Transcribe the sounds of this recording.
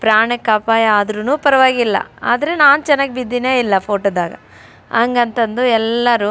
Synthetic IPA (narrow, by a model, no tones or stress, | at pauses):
pɾaːɳɛkːaːpaːjaːd̪ɐɾunuːpɐɾɐʋaːɡilːɐ̰a̰ːd̪ɐɾenaːnut͡ʃɛnːaːɡebid̪ːineːilːɐpʰoːʈoːd̪aːɡɐ̰ | ɐŋɡɐnt̪ɐnd̪uɛlːɐɾu